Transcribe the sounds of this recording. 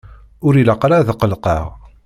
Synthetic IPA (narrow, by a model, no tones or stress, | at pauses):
ʊɾiləqɾaðqəlqɑ̰ʁ